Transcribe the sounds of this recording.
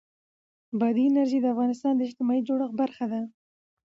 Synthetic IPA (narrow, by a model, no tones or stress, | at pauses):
bad̪iɪnaɾʒid̪əafɣɑnɪst̪ɑnd̪əɪʃt̪ɪmɑid͡ʒoɽaxbaɾxad̪a